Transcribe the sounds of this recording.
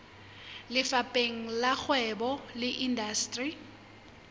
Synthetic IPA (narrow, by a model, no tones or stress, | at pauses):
lɪfapʼeŋ̩lak͡xwɛbɔlɪʔindastʼri